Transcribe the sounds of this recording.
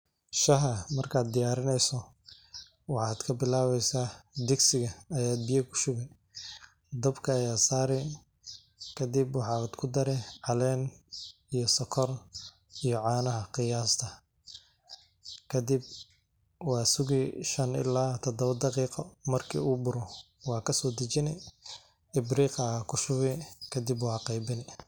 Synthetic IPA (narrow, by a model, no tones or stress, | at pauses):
ʃɐɦɐmɐrkʰaːd̪̚d̪ɪjaːɾɪnɛjsɔ | wɑħɑːd̪̥kʰɐbɪlaːβɛjsaːd̪ɪɡsɪɣɐɐjaːd̪̚bijɐkʰʊ̥sʊɣɛj | d̪ɐbkʰɐːjaːsaːɾɛ | kʰɐd̪ɪbwɑħɑːd̪kʰʊd̪ɐɾɛʕɑlɛːn | ijɞsɔkʰɔr | ijɔʕɑːnɐɦɐqɪjaːst̪ʰɐ | kʰɐd̪ɪb̚ | wɑːsʊɣɪʃɐnɪ̰laːt̪ʰɔd̪ɔβɐd̪ɑqiːqɔmɐrkʰḭːuːbʊɾɔ | wɑːkʰɐsɔːd̪ɐt͡ʃɪnɛ | ɪbriːqɐkʰʊʃʊɣɛkʰɐd̪ibwɑħɑːqɛjbɪnɛ